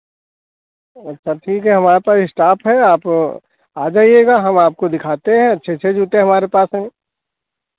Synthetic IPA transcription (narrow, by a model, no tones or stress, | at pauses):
ɐtːʃʰaʈʰiːkɦɛɦɐmaːɾepaːsɪsʈaːpɦɛaːp | aːd͡ʒaːijeːɡaɦɐmaːp̚kod̪ɪkʰaːt̪eɦɛ̃ɐtːʃʰet͡ʃʰed͡ʒuːt̪eɦɐmaːɾepaːsɦɛ̃